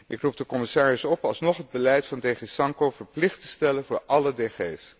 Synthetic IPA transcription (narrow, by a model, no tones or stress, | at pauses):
ʔɪkrub̚dəkɔmɪsaːɹɪsɔpɑlˠsnɔχɦəd̚bəlɛjtfɑndeːχesɑŋkowvəɹplɪχtəstɛlənvʊːɹʔɑlədeːχeːs